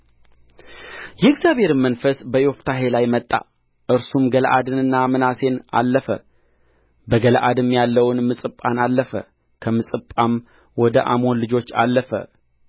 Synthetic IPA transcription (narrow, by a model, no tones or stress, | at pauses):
jɛɨɡzjabhe̞ɾmənfəsbəjoft̪ʰaɦe̞lajmət̪ʼːa̰ | ʔɨɾsumɡəlʔad̪ɨnɨnːamɨnase̞na̰lːəfə̰ | bəɡəlʔad̪ɨmjalːəwnmɨsʼɨpʼːanalːəfə̰ | kʰəmɨsʼɨpʼːam | wɔd̪əʔa̰mo̞nlɨd͡ʒo̞t͡ʃːa̰lːəfə̰